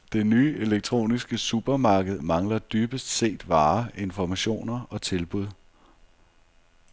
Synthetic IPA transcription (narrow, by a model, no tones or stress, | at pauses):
d̥e̝nyːʔe̝leɡ̥̚t͡sʰʁo̝̰ːnisɡ̥əsub̥ɐmɑ̈ːɡ̥əð̞̩ˠmɑ̈ŋlɐd̥yːb̥əsd̥se̝̰ːd̥ʋɑ̈ːe̝nfɒmæɕo̝̰ːnɐɒ̽t͡sʰe̝lb̥uð̞̰ˠ